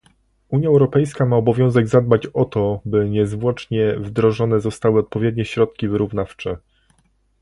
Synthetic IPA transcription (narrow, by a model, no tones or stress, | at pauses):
uɲjaɛwɾɔpɛjskamaɔbɔvʲjɔ̃w̃zɛɡzad̪̚bat͡ɕɔt̪ɔbɘɲɛzvwɔt͡ʂɲɛvd̪ɾɔʐɔnɛzɔst̪awɘɔt̪̚pɔvʲjɛd̪̚ɲɛɕɾɔt̪kʲivɘɾuvnaft͡ʂɛ